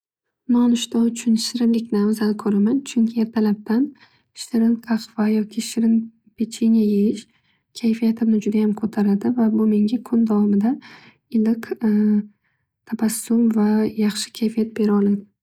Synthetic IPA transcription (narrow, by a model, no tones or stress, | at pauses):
nɒnʊʃt̪aʊt͡ʃʰʊnʃɪɾɪmlɪkʲnɪamzanɪkʰɵɾamant͡ʃʰʊŋkʲʰɪe̞ɾt̪ʰalap̚t̪an | ʃɪɾɪnkʰaqvajɒkʲʰɪʃɪɾɪn | pʰet͡ʃʰenjajejɪʃ | kʲʰajfijat̪ʰɪmnɪd͡ʒʊd̪ajamkʰot̪ʰaɾad̪ɪvabʊme̞ŋɡʲakʰʊnd̪avɒmɪd̪a | ɪlɪq | t̪ʰabasːʊmvajɑχʃɪ̥kʲʰajfijat̪̚be̞ɾɪɒlˠad̪ɪ